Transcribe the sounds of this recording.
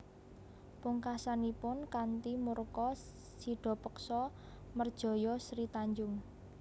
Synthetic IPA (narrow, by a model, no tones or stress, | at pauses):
pʊŋkasanipʊnkant̪imurkɔ | siɖ̥ɔ̤pəksɔ | mərd̥ʒ̥ɔ̤jɔsɾit̪aɲd͡ʒʊŋ